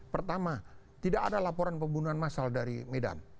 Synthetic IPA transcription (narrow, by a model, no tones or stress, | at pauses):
pərt̪ama | t̪idaka̰dalapoɾanpəmbunuanmasaldaɾḭmeda̰n